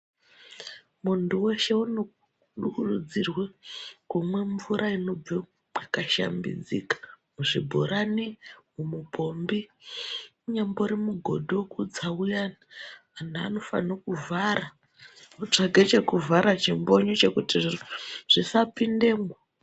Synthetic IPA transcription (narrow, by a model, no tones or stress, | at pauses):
muntuwe̞ʃe̞uno | ɗukurud͡zirwekumwe̞ɱvuɾʔaino̞b͡vi | akaʃa̰mbḭd͡zḭkḁ | muʐibʱoɾaniwumupʰo̞mbi | uɲemboɾimuɡʱo̞̰dʱiwokud͡zaujanaːn̤aano̞fa̰nokuvʱaɾa | kut͡ʂaɡʱet͡ʃe̞kuvʱaɾat͡ʃimbo̞ɲot͡ʃe̞kutiʐ̥isapinde̞ːmwa